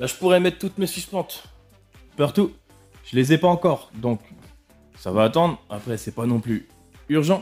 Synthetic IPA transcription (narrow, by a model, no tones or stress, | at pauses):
baʒəpuʁɛmɛt̪ːt̪ːut̪mesisplɑ̃t̪ | paʁt̪u | ʒ̥əlezɛpaɑ̃kɔʁd̪ɔ̃k | savaːt̪ɑ̃d̪ʁa̰pχɛsɛpanɔ̃ply | yʁʒɑ̃